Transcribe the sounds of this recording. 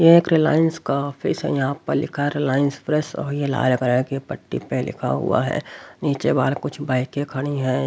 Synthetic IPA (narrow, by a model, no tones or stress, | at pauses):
jeeːkɾɪlaːjənskaɔːfʰisɦɛ̰jɐɦãpəɐɾlɪkʰaɾɪlaːɪənspɾɛsɔ̰ːɾjela̰ːlɡɾaekepəʈːḭpelɪ̰kʰa̰ɦʊ̰a̰ɦɛ̰ːniːt͡ʃebaːlkʊt͡ʃʰbaːɪkekʰɐɽ̃iɦɛ